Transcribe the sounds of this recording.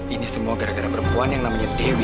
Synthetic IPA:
inisəmuaɡaɾaɡaɾapəɾəmpuanjaŋnamaɲadewi

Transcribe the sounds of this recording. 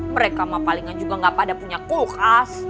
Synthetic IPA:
məɾekamapaliŋand͡ʒuɡaŋɡapadapuɲakulkas

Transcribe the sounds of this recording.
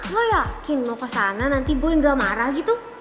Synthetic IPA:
ojakinmokəsananant̪iboɛŋɡamaɾahɡit̪u

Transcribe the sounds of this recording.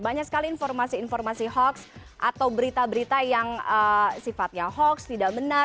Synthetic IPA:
baɲaksə̥kaliːnfɔrmasiːnfɔrmasihɔksʔa̰t̪awbəɾit̪abəɾit̪ajaŋəsifat̪̚ɲaɦɔkst̪idaʔbənə

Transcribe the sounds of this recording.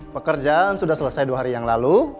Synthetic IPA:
pəkərd͡ʒansudahsələsajduaɦaɾijaŋlalu

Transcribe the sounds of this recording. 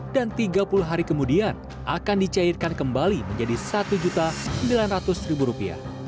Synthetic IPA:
dant̪iɡapuluɦaɾikəmudian | a̰kandit͡ʃairkankəmbaliməɲd͡ʒadisat̪ud͡ʒut̪asəəmbilanrat̪ʊsribuɾupia̰h

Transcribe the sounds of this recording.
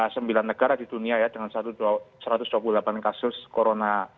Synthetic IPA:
səmbilanːəɡ̥aɾadiduniajad̥əŋansat̪usəɾat̪ʊsd̥̪uap̬ludəlapankasʊskoɾona

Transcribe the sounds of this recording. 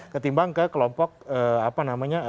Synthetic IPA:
kət̪imbaŋkəkəlɔmpɔk̚əapanamaɲa

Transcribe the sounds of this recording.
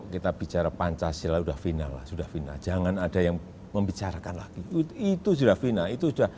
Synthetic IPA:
kit̪ab̥i̤t͡ʃaɾapaɲt͡ʃasilaud̥ahfinala̰hsud̥ahfina̰̥d͡ʒ̥aŋanad̥a̤jaŋ | məmbit͡ʃaɾakanlaɡ̥iit̪us̬udahfinait̪usud̥ah

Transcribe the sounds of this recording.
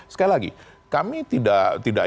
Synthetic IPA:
sə̥kailaɡḭ | kamit̪idaʔt̪ida̰ʔ

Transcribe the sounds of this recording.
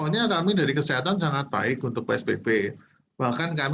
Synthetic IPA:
oɲakamidaɾikəsiɦat̪ansaŋat̪̚b̥a̰ɪkunt̪ʊk̚peɛsb̥eb̥e | b̥ahkankam

